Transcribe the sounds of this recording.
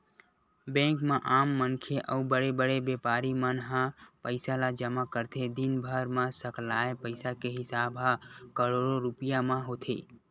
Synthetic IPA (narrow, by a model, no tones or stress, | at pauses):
bɛ̃ːkmẽʔaːmːənkʰeʔəubəɽebəɽebepaːɾimənɦãpəɪsalad͡ʒəmakəɾt̪ʰed̪inbʱəɾmãsəklaːepəɪsakeɦɪsaːbɦãkəɽoɽoɾupijamãɦot̪ʰḛ